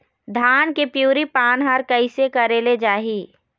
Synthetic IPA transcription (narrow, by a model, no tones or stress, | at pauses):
d̪ʱaːnkepjuːɾipaːnɦaɾkəɪsekɐɾeːled͡ʒaːɦiː